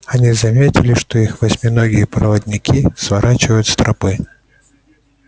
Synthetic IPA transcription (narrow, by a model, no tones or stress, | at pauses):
ɐnʲizɐmʲetʲɪ̰lʲɪʂt̪o̞ixvɐsʲmʲɪnoɡʲɪjəpɾɐ̰vəd̪ʲnʲɪkʲisvɐɾʔat͡ɕɪvəjʊt̪st̪ɾɐpɨ